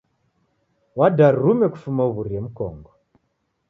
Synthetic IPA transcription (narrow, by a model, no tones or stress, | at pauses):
wadaɾɾumɛku̥fumauβuɾiɛm̩kɔ̰ŋɡɔ